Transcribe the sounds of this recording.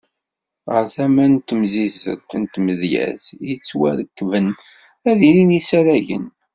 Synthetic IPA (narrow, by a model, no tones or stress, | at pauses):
ʁə̰ɾθæmænt̪ːmzizə̰t̪ːnt̪məðjæ̰zjət͡sːwæ̰ðəkːvən | æðininisæɾæʝə̰n